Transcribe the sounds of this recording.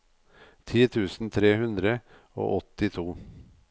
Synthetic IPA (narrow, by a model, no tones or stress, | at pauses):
t̪ʰiːt̪ʰʉːsn̩t̪ʰɾeːhʉnd̪ɾə | o̰ːʔɔt̪ɪt̪ʰuː